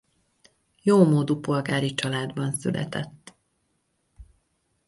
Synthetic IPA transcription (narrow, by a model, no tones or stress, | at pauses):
joːmoːd̪upo̞lɡaːɾit͡ʃɒlaːd̪bɒnsylʔɛ̰t̪ɛt̪ː